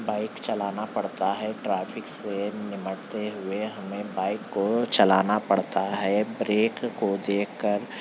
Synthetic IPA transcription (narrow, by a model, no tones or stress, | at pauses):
baːɪkt͡ʃɐlaːnapɐɽt̪aɦɛʈɾaːpʰɪksenɪməʈt̪eɦʊeɦɐmẽbaːɪkːot͡ʃɐlaːnapɐɽt̪aɦɛbɾeːkːod̪eːkʰkəɾ